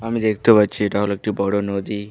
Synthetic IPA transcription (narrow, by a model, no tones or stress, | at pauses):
amid̪ekʰt̪ubat͡ʃʰiʈaɦolək̚ʈibɔɽonod̪i